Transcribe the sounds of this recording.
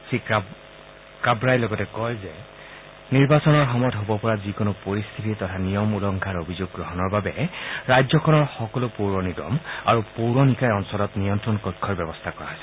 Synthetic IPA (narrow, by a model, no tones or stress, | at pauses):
sik | kabɹajlɔɡɔtɛkɔjzɛ | niɹbasɔnɔɹxɔmɔjtɦobɔpɔɹazikonʊpoɹist̪ʰititɔtʰanijɔmulɔŋkʰaɹobʱizuɡ̚ɡɹɔɦɔnɔɹbabɛɹajzɔkʰɔnɔɹxɔkɔlʊpowɹɔniɡɔ̰ma̰ɹupowɹɔnikajɔnsɔlɔtnijɔntɹɔnkɔkʰːɔɹbɛbɔst̪ʰakɔɹa̰ɦɔjsɛ